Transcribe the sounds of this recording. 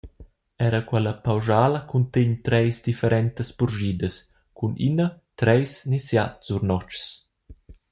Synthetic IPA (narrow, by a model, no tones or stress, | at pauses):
ɛɾəkwɛləpawʒaːləkunt̪eɲt̪ɾɛjsd̪ifɛɾɛnt̪əspuɾʒiːd̪əs | kunḭnət̪ɾɛjsnisja̰t̪suɾnɔt͡ʃs